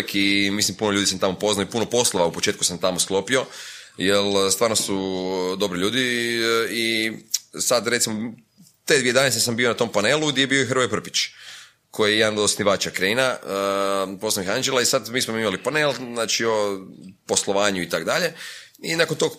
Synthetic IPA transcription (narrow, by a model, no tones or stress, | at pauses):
kʰimislimpunoʎuːd̪isamt̪amo̞po̞znajoipuno̞po̞slˠoʋaupo̞t͡ʃet̪kusamt̪amosklˠo̞pio̞ | jelst̪ʋaːɾnosud̪o̞bɾiʎuːd̪i | i | sad̪ɾe̞t̪simo̞ | t̪e̞d̪ʋie̞d̪anesesambionat̪o̞mpaneːlˠuɡd̪jebioixɾʋojpr̩pi̥t͡ʃ | kʰo̞jijejed̪anod̪osniʋaːt͡ʃakɾeina | poslaixand͡ʒelaisad̪miːsmoimalipane̞ːlznaːt͡ʃiopo̞sloʋaːɲuit̪akd̪aʎe̞ | inakont̪o̞ɡ